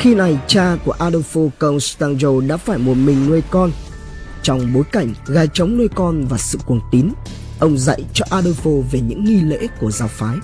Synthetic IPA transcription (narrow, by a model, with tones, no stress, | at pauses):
xi˧na˨˩jt͡ɕaː˧ku˧˩əʔaː˧ɗo˧fo˧kə˧wŋ͡mst̪aː˧nzo˧ɗa̰ː˧˥faː˧˩jmo˨˩t̚mï˨˩ŋ̟nwə˧jkɔ˧n | t͡ɕɔ˧wŋ͡mɓo˨˦jka˧˩jŋ̟ɣaː˧jt͡ɕə˨˦wŋ͡mnwə˧jkɔ˧nvaː˨˩sɨ̰˧˨ku˨˩ənt̪i˨˦n | ʔə˧wŋ͡mzə̰˧˨jt͡ɕɔ˧ʔaː˧ɗə˧fo˧ve˨˩ɲɨ̰˧˥ŋːi˧lḛ˧˥ku˧˩əzaː˧˩wfaː˨˦j